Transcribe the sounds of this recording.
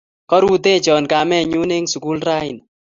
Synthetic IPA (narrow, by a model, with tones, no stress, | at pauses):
kɔ˦ɾu˦t̪e˦t͡ʃɔ˨nka˨mɛ˦˨ɲu˦ne˦ŋsu˨ku˦lɾa˦jɪ˨n